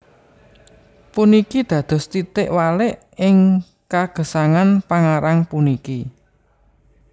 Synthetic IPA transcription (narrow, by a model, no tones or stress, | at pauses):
punikid̪̥ä̤d̪̥ɔ̤st̪it̪ɪʔwalɪʔ | ɪŋ | kaɡ̥ə̤saŋanpaŋaɾaŋpuniki